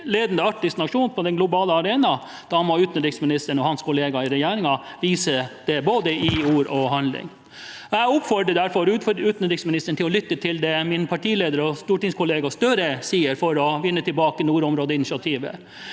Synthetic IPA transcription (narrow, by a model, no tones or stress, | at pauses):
leːd̪nd̪əɑk̚ʈɪst̪nɑʂuːnpʰɔd̪ɛnɡlʊbɑːləɑɾeːnɑ | d̪̥ɑːmɔʉːt̪nəd̪ɾɪŋsmɪnɪst̪əɳɔhɑnskʰʊleːɡɑɪɾɛjeːɾɪŋɑʋiːsəd̪̥ɛboːd̪əʔɪuːɾɔhɑnlɪ̰ŋ | æʊpfɔɖəd̪æɾfɔɾʉʉːt̪n̩d̪ɾɪŋsmɪnɪst̪əɳʈ̪ʰɪlɔlʏt̪ːət̪ʰɪld̪ɛmɪnpʰɑʈʰiːleːd̪əɾɔst̪uːʈɪŋskʰʊleːɡɑst̪œɾəsiːəɾfɔɾɔʋɪnːət̪ʰɪlbɑːkənuːɾɔmɾoːd̪əɪnɪʃɪɑt̪ʰiːʋə̰